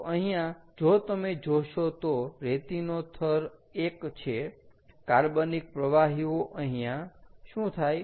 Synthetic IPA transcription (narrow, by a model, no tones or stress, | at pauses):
ʔəɦĩjãd͡ʒot̪əmed͡ʒoʃot̪oɾet̪inot̪ʰəɾekt͡ʃʰekaɾbənik̚pɾəʋaɦioʔə̃ɦĩjãʃũt̪ʰaj